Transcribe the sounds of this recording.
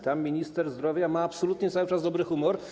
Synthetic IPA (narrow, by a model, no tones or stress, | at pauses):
t̪amːʲiɲist̪ɛɾzd̪ɾɔvʲjamaːpsɔlut̪ɲɛt̪sawɘt͡ʂazd̪ɔbɾɘxumɔɾ